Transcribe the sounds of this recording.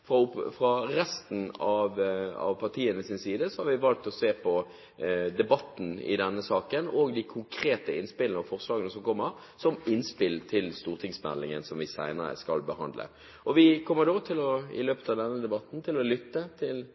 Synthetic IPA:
ffɾɑɾɛst̪n̩ɑʋɑ̰ʋpʰɑʁt̪ʰiːənəsɪnsiːd̪əsɔhɑɾʋɪʋɑlk̚t̪ɔseːpʰɔ | d̪ɛbɑt̪ːn̩ɪ̰d̪ɛnːəsɑːkənoːɡd̪ɪkʰʊŋkʰɾeːt̪əɪnspɪlənɔfɔʁslɑːɡənəsɔmkʰɔmːəɾ | sɔmɪnspɪlt̪ʰɪlst̪uːʁt̪ʰɪŋsmɛ̰lːɪŋə̰nsɔmʋɪsæ̰ɪnəɾə̰skɑlbəhɑ̰nd̪lə̰ | ʔɔʋɪkʰɔmːəd̪oːt̪ʰɪlɔɪ̰løːpət̪ɑʋd̪ɛnːəd̪ɛbɑt̪n̩t̪ʰɪlɔlʏt̪ːət̪ʰɪl

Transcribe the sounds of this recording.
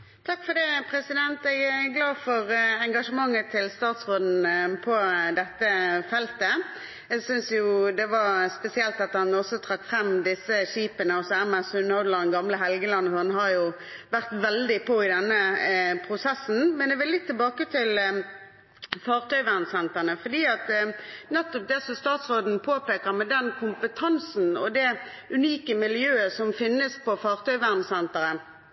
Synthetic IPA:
t̪ʰɑkːfɔd̪ɛpʰɾɛsɪd̪ɛnt̪ɛɡæɡlɑːfɔɾɛŋɡɑʂəmɑŋːət̪ʰɪlst̪ɑːt̪sʁoːd̪n̩pʰɔd̪ɛt̪ːəfɛlt̪ə | ɛɡsʏnsjʊd̪ɛʋɑʁspɛsɪɛlt̪ɑt̪ɑnɔsɔt̪ʰɾɑkfɾɛmd̪ɪsəʂiːpənəɔsɔæmæsʉnoʊd̪ləd̪ɛŋɡɑmləɦɛlɡəlɑnːhɑnɦɑɾjʊ | ʋæʁt̪ʋɛld̪ɪpʰɔɪd̪ɛnːəpʰʁʊsɛsːn̩mɛnd̪ɛʋɪlːɪt̪ʰːɪlbɑːkət̪ʰɪl | fɑːʁt̪ʰœʏʋæʁnsɛnt̪əʁnəfɔd̪iːɑt̪nɛt̪ːɔp̚d̪ɛsɔst̪ɑːt̪sʁoːd̪n̩pʰoːpeːkəʁmɛd̪ɛnkʰʊmpət̪ʰɑnsn̩ɔ̰d̪ɛ | ʉniːkəmɪljøːəsɔmfɪnːəspɔfɑːʁt̪ʰœʏʋæʁnsɛnt̪əʁən

